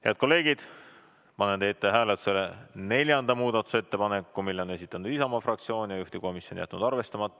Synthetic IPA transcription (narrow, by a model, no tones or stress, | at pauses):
heɑd̪̥ko̞lːe̞ːɡid̪̥ | pɑnend̪et̪ːeɦæːlet̪selene̞lʲjɑnd̪̥ɑmuːd̪̥ɑt̪ːu̥se̞t̪ːe̞pɑne̞kːumilːeone̞s̬it̪ːˑɑnud̪̥isɑmɑfrɑkt̪sio̞ːnʲijɑjuht̪iko̞misjonjæ̰t̪ːnud̪̥ɑrve̞st̪ɑmɑt̪ˑː